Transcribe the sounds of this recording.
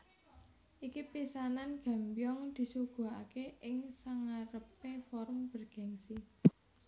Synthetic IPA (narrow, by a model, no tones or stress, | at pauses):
ʔikipisananɡ̥a̤mbjɔŋd̪̥i̤suɡ̥ṳa̰keʔɪŋsaŋaɾəpefɔɾʊmb̥ərɡ̥a̤ŋsi